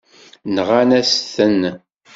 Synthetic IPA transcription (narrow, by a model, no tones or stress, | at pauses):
nʁanæsθən